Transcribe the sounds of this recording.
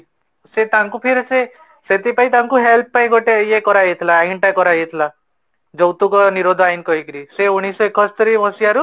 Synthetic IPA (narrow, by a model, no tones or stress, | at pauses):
set̪aŋkupʰeɾse | set̪ipait̪aŋkuɦelp̚pajɡʱoʈejekɔɾajet̪ʰlaːiɳʈakɔɾajet̪ʰla | d͡ʒɔwt̪ukɔniɾod̪ʱajnkɔikɾiseuñisɔekɔst̪ɾimɔsiaɾu